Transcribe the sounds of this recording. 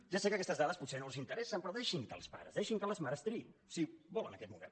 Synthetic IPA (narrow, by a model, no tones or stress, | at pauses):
ʒasekəkɛst̪əzðaðəsput̪senolˠzint̪əɾɛsəmpɾɔðeʃiŋkə̰lˠspa̰ɾə̰zðeʃiŋkələzmaɾəst̪ɾinsibɔlənəkɛt̪mumḛn